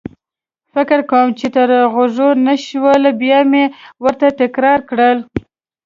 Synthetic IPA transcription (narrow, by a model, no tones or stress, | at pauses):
fɪkɪɾkawəmt͡ʃet̪əɾɣoʐonəʃwəlbjɑmewəɾt̪at̪ɪkɾɑɾkɽəl